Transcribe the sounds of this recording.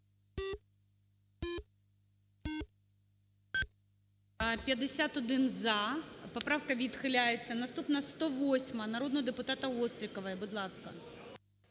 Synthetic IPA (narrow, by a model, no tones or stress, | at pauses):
pʲjɐd̪esʲat̪ɔd̪ɪnzɐpɔpɾɑwkɐʋʲid̪xɪlʲajet͡sʲːɐnɐst̪upnɐst̪ɔʋɔsʲmɐnɐɾɔd̪nɔɦɔd̪epʊt̪ɑt̪ɐɔst̪ɾʲikɔʋɐjɛbʊd̪lˠɑskɐ̰